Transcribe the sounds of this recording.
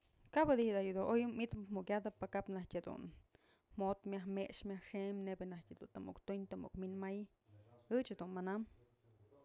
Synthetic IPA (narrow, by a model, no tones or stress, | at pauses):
kabad̪ihd̪ajud̪oʔojumit̪mukʲad̪apakapnahkʲad̪ṵn | mot̪mʲjahmeʂmʲahʂemnebenahkʲad̪ṵnt̪ɨmṵkt̪uɲt̪ɨmṵkminmaj | ɨt͡ʃad̪unmanam